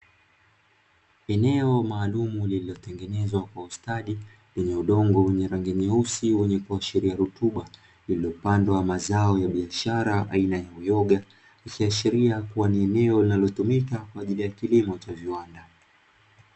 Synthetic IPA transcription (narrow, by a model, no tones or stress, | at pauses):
ɛnɛɔmaːlumulililɔtɛŋɡɛnɛzwakwaustaɗi | lɛɲɛuɗɔŋɡɔwɛɲɛɾaŋɡɛɲɛusiwɛɲɛkuaʃiɾiaɾutuɓa | lililɔpandwamazaɔjaɓiaʃaɾaʔa̰inajaujɔɠa | ikiaʃiɾiakuwaniɛnɛɔlinalɔtumikakwaːʄilijakilimɔt͡ʃaviwanda